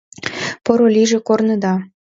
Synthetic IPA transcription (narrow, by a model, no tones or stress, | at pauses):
poɾoliʒĕkornə̆d̪ɑ